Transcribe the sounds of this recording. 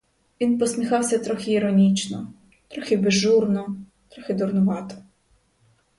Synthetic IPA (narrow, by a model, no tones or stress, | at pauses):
ʋʲinpɔsʲmʲixɑwsʲɐt̪ɾɔxʲɪːɾɔnʲit͡ʃnɔ | t̪ɾɔxʲibeʒːurnɔ | t̪ɾɔxʲɪd̪ʊrnʊʋɑt̪ɔ̥